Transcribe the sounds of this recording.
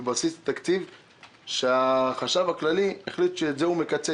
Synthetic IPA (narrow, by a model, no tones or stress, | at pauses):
basist̪akt͡siv | ʃeaχaʃavaklalieχlit̪ʃezeumekat͡se